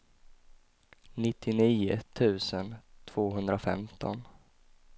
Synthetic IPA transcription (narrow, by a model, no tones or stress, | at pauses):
nɪt̪ʰːɪniːʊ̰t̪ʰʉ̟ːsənt̪ʰv̥oːɦɵnd̪ɾafɛ̰mt̪ʰɔ̰n